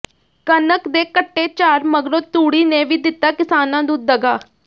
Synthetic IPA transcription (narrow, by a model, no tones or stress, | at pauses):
kənəkd̪eːkəʈːeːt͡ʃaːɾməɡɾoːt̪uːɽiːneːʋiːd̪ɪt̪ːaːkɪsaːnãːd̪ũːd̪əɡaː